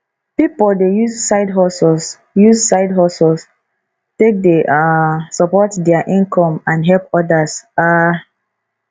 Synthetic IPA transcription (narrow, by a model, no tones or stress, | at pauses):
pipɔldejuzsaɪdɦɔsɔs | juzsaɪdɦɔsɔs | tek̚deʔasɔpɔtdɛaʔĩnkʰɔ̃mãnɦɛlpɔdasa